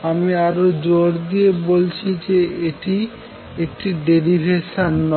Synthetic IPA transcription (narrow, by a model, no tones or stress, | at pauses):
amiaɾod͡ʑoɾd̪iebolt͡ɕʰid͡ʑeeʈi | ek̚ʈiɖeɾibʱeʃanːɔ